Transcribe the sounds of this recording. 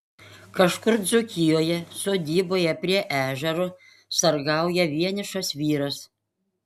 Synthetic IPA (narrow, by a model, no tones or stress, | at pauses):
kɐʃkʊɾd̪zʊkʲɪjoːjɛsoːd̪ʲiːboːjɛpʲɾʲiɛʔæːʒʲɛɾo | sɐɾɡɑˑʊjɛʋʲiɛnʲɪʃɐsʋʲiːɾɐs